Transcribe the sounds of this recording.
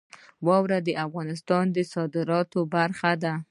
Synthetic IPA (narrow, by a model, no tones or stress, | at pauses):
wɑwɾad̪əʔafɣɑnɪst̪ɑnd̪əsɑd̪ɪɾɑt̪obaɾxad̪a